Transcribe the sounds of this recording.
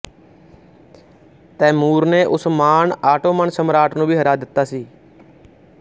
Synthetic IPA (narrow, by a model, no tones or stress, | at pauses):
t̪ɛːmuːɾneːʔʊsmaːɳaːʈoːmənsəmɾaːʈʰnũːbʱiːɦəɾaːd̪ɪt̪ːaːsiː